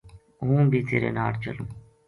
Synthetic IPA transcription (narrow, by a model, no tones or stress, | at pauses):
ɦũːbʱiːt̪eːɾḛːnaːɾt͡ʃə̰lũː